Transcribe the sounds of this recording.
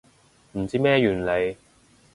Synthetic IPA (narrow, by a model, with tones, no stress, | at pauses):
m̩˨˩t͡siː˥mɛː˥jyː˨˩nle˨˧j